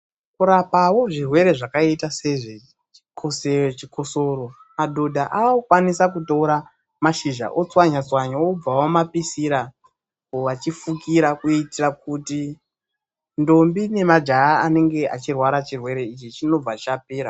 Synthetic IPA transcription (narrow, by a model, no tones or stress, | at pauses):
kuɾapawo̞ʐirwe̞ɾe̞ʐakaitaseʐe | ikʰoset͡ʃikʰoso̞ɾo̞ | mado̞ɗaʔaokwanisak̬utoɾa | maʃiʒa̰ʔot͡swaɲat͡swaɲaob͡vawomapisiɾa | oʋat͡ʃifukiɾakuitirakuti | ndo̞mbine̞mad͡ʒaaːne̞ŋɡe̞ʔa̰t͡ʃirwaɾat͡ʃirwe̞ɾe̞it͡ʃit͡ʃino̞b͡vat͡ʃapeːɾa